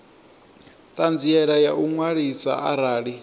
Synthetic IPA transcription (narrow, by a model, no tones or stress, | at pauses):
t̪ʼand͡ziɛɺajauŋwaɺisa̰a̰ɾaːɺi